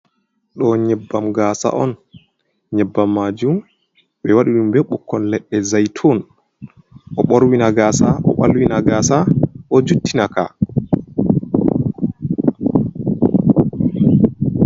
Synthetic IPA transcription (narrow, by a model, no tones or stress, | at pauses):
ɗɔɲɛbːamɡaːsa̰ʔɔn | ɲɛbːamːaːd͡ʒum | ɓɛwaɗiɗumbɛɓukʰːɔnlɛɗːɛzajtʰɔn | ʔɔɓɔɾwinaɡaːsaʔɔ̰ɓalwinaɡasaʔɔd͡ʒutːinaka̰